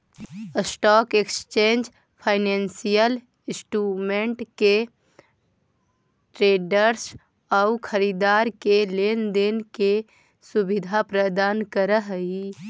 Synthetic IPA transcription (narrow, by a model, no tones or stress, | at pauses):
sʈɔːkekst͡ʃẽːnd͡ʒ | pʰaːɪneːnsijəl | ɪsʈuːmẽɳʈke | ʈɾeːɖəɾs | ɔʊkʰəɾiːd̪aːɾkeleːnd̪enke | sʊbɪd̪ʱapɾəd̪aːnkəɾəɦi